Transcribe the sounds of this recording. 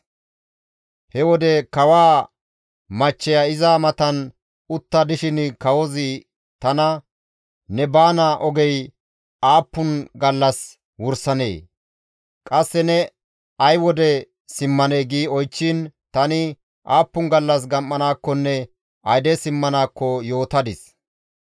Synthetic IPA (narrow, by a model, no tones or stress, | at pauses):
hɛwɔd̪ɛkɐwaː | mɐt͡ʃːɛjaɪzaːmɐt̪ɐn | ʊt̪ːɐd̪ɪʃɪnkɐwɔzɪ | t̪ɐnɐ | nɛbaːnɐʔɔɡɛj | aːpːʊnɡɐlːɐs | wʊɾsɐnḛː | kʼɐsːɛnɛ | ɐjwɔd̪ɛ | sɪmːɐneːɡiːɔjt͡ʃːɪnt̪ɐnɪ | ʔaːpːʊnɡɐlːɐs̬ɡɐmːɐnaːkːɔnːɛ | ɐjd̪ɛsɪmːɐnaːkːɔjo̞ːt̪ɐd̪ɪs